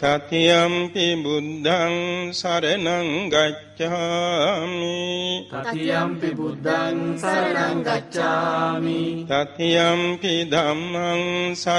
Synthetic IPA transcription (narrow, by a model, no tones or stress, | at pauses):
t̪ɐt̪ijɐmpibud̪ʱːɐŋsɐɾenɐŋɡɐt͡ʃːa | mi | ɐmid̪ʱa | ŋɡɐt͡ʃːamit̪ɐt̪ijɐmpid̪ʱɐmːɐŋsɐ